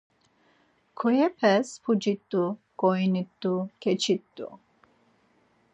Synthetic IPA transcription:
kʰɔjɛpʰɛspʰud͡ʒit̪ːuɡ̥ɔjnit̪ːukʰɛt͡ʃʰit̪ːṵ

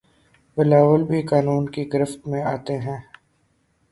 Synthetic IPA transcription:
bɪlaːʋəlbʱikaːnuːnkiɡɪɾɪft̪mẽaːt̪eɦɛ̃ː

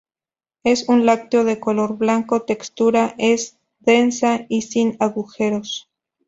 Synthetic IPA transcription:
e̞sunlak̚t̪eo̞ðe̞ko̞lo̞ɾβlaŋko̞t̪e̞kst̪uɾaʔe̞s | ðe̞nsaisinaɣuxe̞ɾos

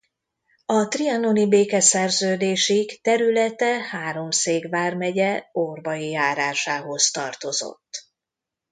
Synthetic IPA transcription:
ɒt̪riɒnonibeːkɛsɛrzøːd̪eːʃikt̪ɛɾylɛt̪ɛhaːɾo̞mseːɡvaːrmɛɟɛorbɒjijaːɾaːʃaːɦo̞st̪ɒrt̪o̞zo̞̰t̪ː

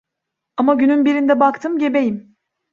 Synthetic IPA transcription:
amaɟynynbiɾind̪ɛbakt̪ʰɯmɟe̞be̞jim

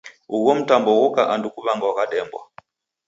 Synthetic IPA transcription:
uɣɔm̩tambɔɣɔkaʔandukuβaŋɡawakaɗɛmbwa̰

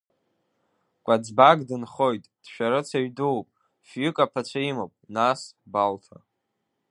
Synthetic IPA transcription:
kʷʼad͡zbaɡdɨnχo̞jtʼd̥ʃᶣaɾɨt͡sʰaɥduwpʼ | fjʏkʼapʰat͡ɕʷʰaimopʼnasbaltʰa̰

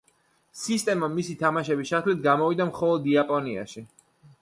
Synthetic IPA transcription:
sist̪ʼɛmamisit̪ʰamaʃɛbiʃat̪ʰlit̪̚ʰɡamɔvid̪amχɔlˠɔd̪iapʼɔnia̰ʃi

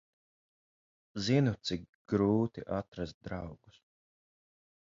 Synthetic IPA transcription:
zinut̪sik | ɡ̥ɾuːt̪iʔat̪ɾast̪̚d̪ɾawɡu̥s

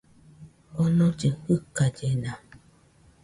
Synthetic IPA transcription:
ɔnõd͡ʒɨhɯkad͡ʒenã

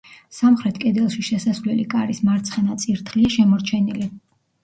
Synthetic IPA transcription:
samχɾɛt̪ʰkʼɛd̪ɛlˠʃiʃɛsasvlɛlikʼaɾismaɾt̪sʰχɛnat̪sʼiɾt̪ʰχliaʃɛmɔɾt͡ʃʰɛnili

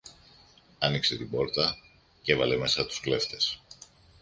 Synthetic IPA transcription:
ɐnikse̞t̪ibo̞ɾt̪ɐ | ce̞vɐle̞me̞sɐt̪u̥skle̞ft̪e̞s

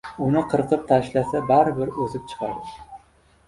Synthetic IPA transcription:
unɨqʰəɾqʰɨp̚t̪ʰæʃlasabæɾbɪɾɵzɪp̚t͡ʃʰɨ̥qʰɑ̰ɾd̪ɪ

